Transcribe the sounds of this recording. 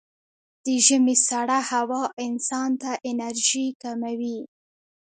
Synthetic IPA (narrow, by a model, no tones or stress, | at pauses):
d̪̥əʒəmesaɽahawɑʔɪnsɑnt̪aʔɪnaɾʒikamawi